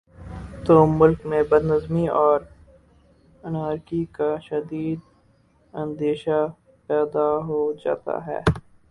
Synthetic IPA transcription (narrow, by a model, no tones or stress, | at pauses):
t̪oːmʊlkmẽbəd̪nəzmiɔːɾ | ənaːɾkikaʃɐd̪iːd̪ | ɐ̃nd̪eːʃa | pɛːd̪aɦoːd͡ʒa̰ːt̪a̰ɦɛ̰ː